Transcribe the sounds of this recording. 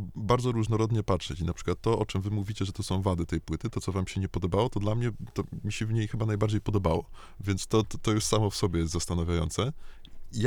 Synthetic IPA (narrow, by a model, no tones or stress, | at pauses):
baɾd̪zɔɾuʐnɔɾɔd̪ɲɛpat̪ʂɛt͡ɕinapʂɘkwat̪ːɔʔɔt͡ʂɛmvɘmuvʲit͡ɕɛʐɛt̪ɔsɔ̃w̃vad̪ɘt̪ɛjpwɘt̪ɘt̪ɔtsɔvamɕɛɲɛpɔd̪ɔbawɔt̪ɔd̪lamɲɛt̪ɔmʲiɕɛvɲejxɘbanajbaɾd͡ʑejpɔd̪ɔbawɔ | vʲjɛnst̪ɔt̪ɔjuʂsamɔfsɔbʲɛjɛs̬t̪zast̪anavʲjajɔ̰nsɛj